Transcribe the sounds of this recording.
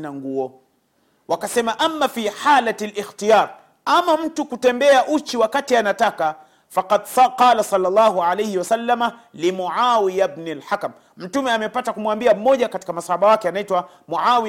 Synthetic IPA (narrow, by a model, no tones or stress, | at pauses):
naŋɡuɔ | wakasɛmaʔamːafiːħalatlʔixtijaːɾ | amam̩tukutɛmbɛaʔut͡ʃiwakatianataka | faqadqɑːlasɑlːalˤːɑːɦuʕalejhiwasalːama | limuʕawijabnilħakam | m̩tumɛamɛpatakumwambiam̩mɔʄakati̥kamasahaɓawakɛanaitwa | muʕawi